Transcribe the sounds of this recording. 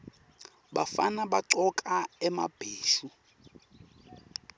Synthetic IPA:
bafa̰nabaǀɔkʼaɛmab̥ʱeːʃu

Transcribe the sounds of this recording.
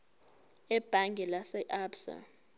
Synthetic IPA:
ɛb̥ʱaŋɡʱɛlasɛʔabsa̰

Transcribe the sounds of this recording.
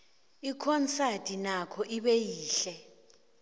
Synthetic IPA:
ikʰɔnt͡satʼinakʰɔʔiɓɛjiːɬɛ

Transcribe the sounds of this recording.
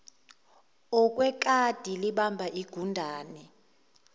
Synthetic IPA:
ɔkʼwɛk̬ʼad̥ʱiliɓambʱaʔiɡ̥ʱundʱaːni

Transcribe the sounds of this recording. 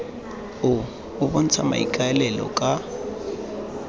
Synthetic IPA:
ʊː | βʊn̩t͡sʰama̰ḭkʼaɛlɛlɔ̰kʼa

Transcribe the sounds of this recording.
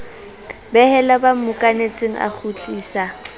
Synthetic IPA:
bɛhɛlabam̩mʊkʼanet͡sʼeŋ̩ʔa̰k͡xʰut͡ɬʼiːsa

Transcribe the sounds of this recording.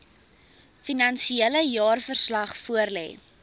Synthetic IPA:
finɐnsieləjɑːrfərslɐχfuərlɛ̰ː

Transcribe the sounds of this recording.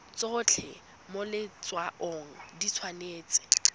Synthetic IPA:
t͡sʼot͡ɬʰɛ | molɪt͡sʼwaʔoːŋ̩dit͡sʰwaneːt͡sʼɪ̥

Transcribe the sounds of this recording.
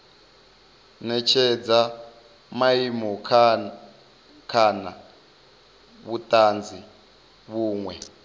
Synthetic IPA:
nɛt͡ʃʰɛd͡za | maimɔkʰ | kʰana | βutʼand͡zi | βuːŋwɛ

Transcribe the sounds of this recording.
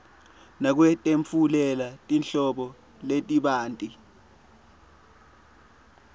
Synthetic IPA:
nak̬wɛtʼeɱfulɛlatʼinɬɔɓɔ | letʼiɓaːntʼi

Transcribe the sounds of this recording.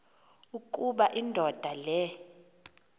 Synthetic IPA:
ukʼuɓaʔindʱɔd̥ʱalɛ

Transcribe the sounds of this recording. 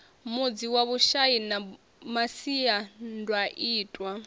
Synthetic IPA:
mud͡ziwaβuʃaina | masiandwaʔiːtʼwa

